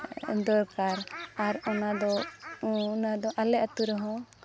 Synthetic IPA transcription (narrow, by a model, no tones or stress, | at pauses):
d̪ɔɾkaɾaɾɔnad̪ɔ | nad̪ɔʔalɛʔat̪uɾɛɦɔ̃